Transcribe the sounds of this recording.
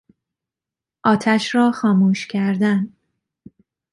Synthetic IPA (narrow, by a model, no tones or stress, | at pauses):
ʔɒːt̪ʰæʃɾɒːxɒːmuːʃcʰæɾd̪æn